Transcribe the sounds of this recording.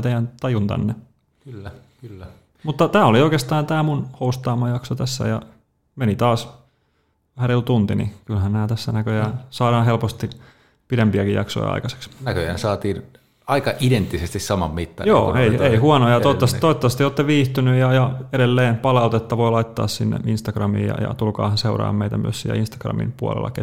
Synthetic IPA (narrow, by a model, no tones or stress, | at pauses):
t̪eijænt̪ɑjunt̪æ̰nːe | kylːæ | kylːæ | mut̪ːɑt̪æːolioikeːst̪ɑːnt̪æːmunhoust̪ɑːmɑjɑksot̪æsːæ̰jɑ̰ | menit̪ɑːs | hærilt̪unt̪inḭkylhænnæːt̪æsːænækøjæːnsɑːɾɑːɦelpost̪i | piɾempiækijɑ̰kso̰jɑ̰ɑ̰ikɑse̥ksnækøjæ̰nsɑːt̪iːn | ɑikɑʔident̪ːisest̪issɑmɑ̰mmit̪ːɑ̰njo̰ːeieihuɑnojɑt̪ot̪ːɑst̪oit̪ːɑsest̪ioːt̪ːeʋiːht̪ynyjjɑjɑeɾelːeːmpɑlɑut̪et̪ːɑʋoilɑit̪ːɑ̰ːssinːḛinst̪ɑkrɑmḭːjɑ̰jɑ̰t̪ulkɑ̰ːhɑnseurɑ̰ːmmeit̪æmy̰øssḭːlæ̰inst̪ɑ̥krɑ̰mḭmpuɑ̰lḛlːɑ̰ke